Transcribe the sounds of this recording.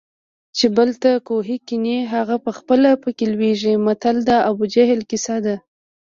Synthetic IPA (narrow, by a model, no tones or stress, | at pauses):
t͡ʃebəlt̪akoɦikineɦaɣapəxpəlapəkelweʒimat̪ald̪ɑʔabud͡ʒaɦɪlkɪsad̪a